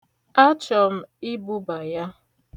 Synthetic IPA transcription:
a˦t͡ʃɔ˨m̩˦i˦bu˦ba˨ja˦

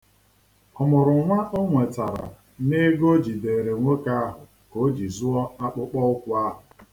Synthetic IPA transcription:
ʊ˨mʊ˨ɾʊ˨ŋʷa˦ʔo˦ŋʷe˨ta˨ɾa̰˨ | ne˦ɡo˦d͡ʒi˨de˨ɾe˨ŋʷo˦ka˦a˦ɦʊ˨ | ko˨˦d͡ʒi˨zʊ˦ɔ˦a˦k͡pʊ˦k͡pɔ˦ʊ˦kʷʊ˦a˦ɦʊ˨

